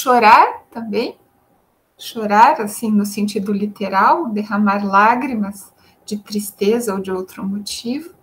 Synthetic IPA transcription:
ʃoɾaɾt̪ɐ̃mbẽj̃ | ʃoɾaɾasĩnʊsẽnt͡ʃid̪ʊlit̪eɾawd̪eɦɐmaɾlaɡɾimɐz | d͡ʒɪt̪ɾist̪ezɐowd͡ʒɪowt̪ɾʊmot͡ʃivʊ

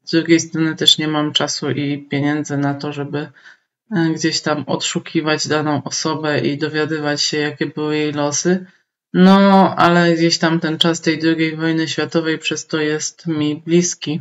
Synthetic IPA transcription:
zd̪ɾuɡʲejst̪ɾɔnɘt̪ɛʂɲɛmamt͡ʂasuʔipʲjeɲɛnd̪zɛnat̪ɔʐɛbɘ | ɡd͡ʑeɕt̪amɔ̰t̪ʂukʲʰivad͡ʑd̪anɔ̃w̃ʔɔsɔbɛʔid̪ɔvʲjad̪ɘvat͡ɕɕɛjakʲɛbɘwɘjejlɔsɘ | nɔʔa̰lɛɡd͡ʑeɕt̪amt̪ɛnt͡ʂast̪ɛjd̪ɾuɡʲejvɔjnɘɕfʲjat̪ɔvɛjpʂɛst̪ɔjɛst̪mʲiblʲiskʲi

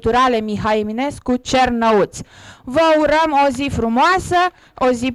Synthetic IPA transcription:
t̪uɾalemiɦaimineskut͡ʃernəut̪svəuɾəmozifɾumoasə | ozi

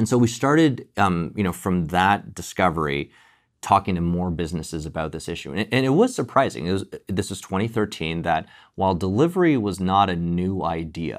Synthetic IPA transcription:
ɨ̃nsoʊwistɑɹɾɪdjɨñoʊfɹʌ̃mðət̚d̥ɨskʌvə˞ḭ | tʰɔkɪ̃ŋtʰɨmɔɹbɪznɨsɨzɨbaʊt̪̚ðɪsɪʃʉ̰ɨ̃ʔɨ̃nɨt̚wʌz̥sə˞pʰɹ̥aɪzɪ̰̃ŋɨt̚wʌzðɪswʌz̥tʰw̥ɛ̃ɾ̃iθɜ˞tʰĩnðɨt̚ | waɪlˠdəlɪvə˞iwʌznəɾɨnʉa̰ɪdiɨ̰

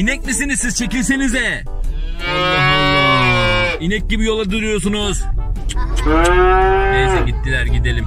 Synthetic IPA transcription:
inɛc̚misinizsiz̥t͡ʃʰecilʲs̬enizɛ | inɛc̚ɟibijo̞lˠad̪uɾujoɾs̬unuz̥ | nejsɛɟit̪ʰːilʲæɾɟid̪elʲim

